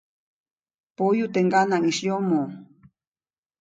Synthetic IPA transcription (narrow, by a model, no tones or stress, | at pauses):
pojʊt̪eɴɢɑnaŋiʃʎomo